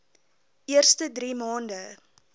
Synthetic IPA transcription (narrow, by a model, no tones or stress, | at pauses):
ʔiərstədɾiːmɑːndə